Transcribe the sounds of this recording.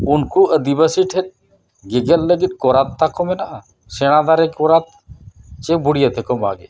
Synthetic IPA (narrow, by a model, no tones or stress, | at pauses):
unkuəd̪ibəsiʈʰɛʈ̪̚ | ɡeɡəlːəɡit̪̚kɔɾat̪ːakɔmɛnaʔa | sɛɽ̃ad̪aɾɛkkɔɾat̪̚t͡ʃebuɽijat̪ʰɛkɔma̰ɡḛ